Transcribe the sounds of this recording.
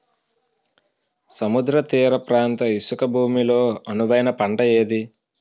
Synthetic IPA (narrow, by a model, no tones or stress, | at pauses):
sɐmud̪ɾɐt̪iːɾɐpɾaːnt̪ɐisukɐbʱuːmilo̞ːɐnuʋɐjnɐpɐɳɖɐe̞ːd̪i